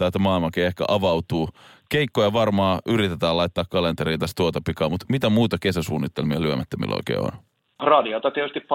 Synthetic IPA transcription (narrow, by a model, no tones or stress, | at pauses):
t̪æːt̪æmɑːilmɑkiehkæ̰ʔɑʋɑwt̪uːkeikːojɑʋɑrmɑːʔyɾit̪et̪æːlɑit̪ːɑːkkɑlent̪eɾiːt̪ɑst̪uot̪ɑpikɑːmut̪mit̪æmuːt̪ɑkesæsuːnːit̪ːelmiɑlyømæt̪ːømḭlʔo̰ikḛːo̰n | rɑdiot̪ɑt̪iet̪yst̪ipp